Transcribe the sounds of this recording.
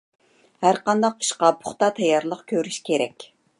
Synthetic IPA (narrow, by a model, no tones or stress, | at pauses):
hæɾqɑnd̪ɑq̚i̥ʃqɑpʰʊχt̪ɑt̪ʰɛjːɑɾlˠəqkʲʰøɾyʃkʲeɾɛkʲ